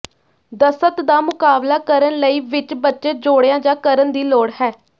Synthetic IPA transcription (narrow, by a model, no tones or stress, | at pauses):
d̪əsət̪d̪aːmʊkaːblaːkəɾənləiːʋɪt͡ʃbətːʃeːd͡ʒoːɽejãːd͡ʒãːkəɾənd̪iːloːɽhɛː